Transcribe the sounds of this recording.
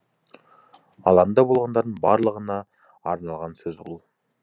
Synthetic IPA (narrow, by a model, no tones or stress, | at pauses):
ɑ̰lˠɑnnd̪ɑbolˠʁɑnd̪ɑɾd̪əɴbɑɾlˠəʁənɑː | ɾnɑlˠʁɑnsɵzuulˠ